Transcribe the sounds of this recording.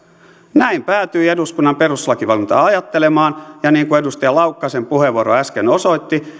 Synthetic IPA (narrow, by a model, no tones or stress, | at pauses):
næimpæːt̪yieduskunːɑmpe̞ruslɑkiʋɑlunt̪ɑ̰ɑjɑt̪ːele̞mɑːnjɑniːŋkue̞dust̪ɑjɑlɑwkːɑsempuhe̞ʋuoɾoæskeno̞so̞it̪ːi